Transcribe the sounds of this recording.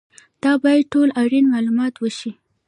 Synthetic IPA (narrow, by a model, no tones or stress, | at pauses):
d̪̥ɑbɑjad̪̚ʈolaɾinmɑlumɑt̪wəʃi